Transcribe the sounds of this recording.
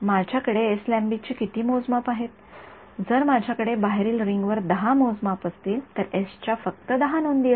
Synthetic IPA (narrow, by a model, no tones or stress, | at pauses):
mad͡ʑʱjakəɽeːslæ̃mbit͡ɕiːkit̪iːmod͡zmapaɦet̪ | d͡zəɾmad͡ʑʱjakəɽebaɦɾiːlɾiŋɡʋəɾd̪əɦamod͡zmapəst̪iːlt̪əɾest͡ɕjafəkt̪əd̪əɦanond̪i